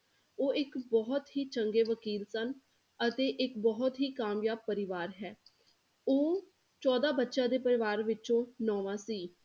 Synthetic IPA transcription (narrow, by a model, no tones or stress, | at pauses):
oːɪkbɔːt̪ɦiːt͡ʃəŋɡeːʋəkiːlsən | ət̪eːʔɪkbɔːʊt̪ɦiːkaːmjaːb̚pəɾɪʋaːɾɦɛː | oː | t͡ʃɔːd̪aːbətːʃãːd̪eːpəɾɪʋaːɾʋɪt͡ʃõːnɔːʋãːsiː